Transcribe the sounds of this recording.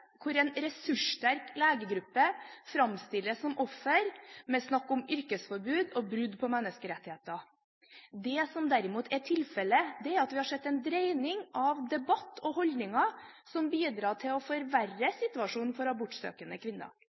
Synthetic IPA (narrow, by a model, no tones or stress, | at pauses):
kʰʊɾɛnɾɛsʉʂtæɾkleːɡəɡɾʉpːəfɾɑmst̪ɪlːəsːɔmʔɔfːəɾmɛsnɑkːɔmʏɾkəsfɔɾbʉːd̪ɔbɾʉd̪pʰɔmɛnːəskəɾɛt̪ːɪheːt̪ɑ | d̪ɛsɔmd̪æɾɪmuːt̪ʰæʈʰɪlfɛləd̪ɛæɾɑt̪ʋɪhɑʂsɛt̪ːɛnd̪ɾeɪnɪŋʔɑʋd̪ɛbɑt̪ːɔhɔld̪nɪŋɑsɔmbiːd̪ɾɑːʈʰɪlɔfɔɾʋærːəsɪt̪ʉɑʂuːnnfɔɾɑbʊʈsø̰ːkənəkʰʋɪnːə̰